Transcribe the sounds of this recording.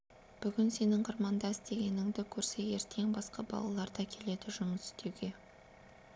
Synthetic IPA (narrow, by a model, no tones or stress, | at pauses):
b̥ʏɡʲɪnse̞nɪŋqʰəɾmɑnd̪ɑɪst̪e̞ɡʲe̞nɪŋd̪ɪkʲʰɵɾse̞jeɾt̪ʰe̞ŋbɑsqɑbɑ̰lˠɑ̰lˠɑɾd̪ɑkʲʰe̞le̞d̪ɪʒʊməsɪ̥st̪ʰe̞wɡʲe̞